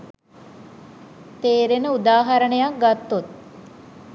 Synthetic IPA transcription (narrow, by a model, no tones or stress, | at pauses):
t̪eːɾenəud̪aːɦaɾəɳəjak̚ɡat̪ːut̪̚